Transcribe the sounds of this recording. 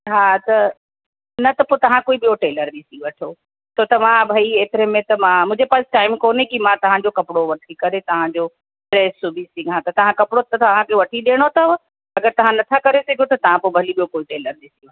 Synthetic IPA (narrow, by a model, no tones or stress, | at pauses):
ɦaːt̪ɐ | nɐt̪ɐpoːt̪ɐʋ̤ãkoːiɓijoʈeːləɾɗisĩʋɐʈʰo | sot̪ɐmãbʱɐieːt̪ɪɾemẽt̪ɐmãmʊ̃ɦd͡ʑepaːsɪ̥ʈaːɪmkoːnekimãt̪ɐʋ̤ãd͡ʑokɐpɪɽoʋɐʈʰikɐɾet̪ɐʋ̤ãd͡ʑo | ʈɾeːsubʱisiɡʱãt̪ɐt̪ɐʋ̤ãkɐpɪɽot̪ɐt̪ɐʋ̤ãkeʋɐʈʰiɗeːɽ̃ot̪ɐ | ɐɡəɾt̪ɐʋ̤ãnɐt̪ʰakɐɾesɐɡʱjot̪ɐt̪ɐʋ̤ãpobʱɐliɓijokoːiʈeːləɾɗɪsĩã